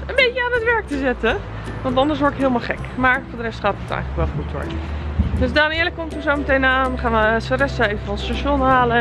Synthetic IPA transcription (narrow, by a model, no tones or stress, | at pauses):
ənbejəaːnətʋɛɹk̚təzɪtə | ʋɑntɑndəɹsʋɔɹtɪkɦɪəlˠmalˠχɛ̰kmaːɹfoːɹdərɛstχaːtətɛ̰jχələkʋɛlˠχutɔ̰ɹdøsdaːnɪːləkːɔmtɔzowmətejnaːnχaːnʋəsərɛsəejvəfɔlstaʃɔnɦaːlə